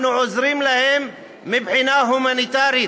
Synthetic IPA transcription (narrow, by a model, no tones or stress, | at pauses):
nʊʕʊzɾiːmlahemː | ɪbʕɪnaːɦʊmanit̪aːɾi